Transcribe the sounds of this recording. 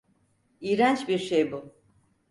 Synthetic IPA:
iːɾænt͡ʃbiɾʃejbu

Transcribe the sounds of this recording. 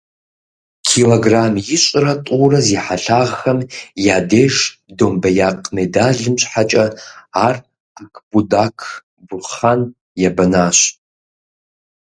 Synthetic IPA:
kʰiːloɡraːmjɪɕʼɪrɐtʼuːrɐziːħaɬaːʁxɐmjaːdeːʒdoːmbɐjaːqmedaːɮɨmɕʼħat͡ʃʼɐaːr | akʰb̥udaːkʰ | bʊχan | jɛbɐnaːɕʼ

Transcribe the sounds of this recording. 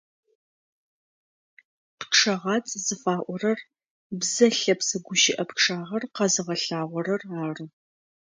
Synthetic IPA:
pʈ͡ʂʰɐʁɑːt͡sʼzɨfaːʔʷɔrɐr | bzɐɬɐpsɐɡʷʊʃɪʔɐpʈ͡ʂʰaːʁɐrqɐzɨʁɐɬaːʁʷɔɾɐraːrɨ

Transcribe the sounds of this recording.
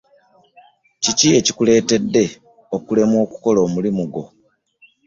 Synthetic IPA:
cicie̞cikule̞ːte̞dːe̞ | okule̞mwo̞ːku̥ko̞lo̞ːmulimuɡo̞

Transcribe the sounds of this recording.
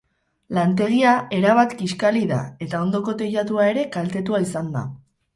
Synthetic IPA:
lant̪e̞ɣiae̞ɾaβ̞at̪kiskaliða̰e̞t̪ao̞nd̪o̞ko̞t̪e̞ʎat̪uae̞ɾe̞kalt̪e̞t̪uaisand̪a̰

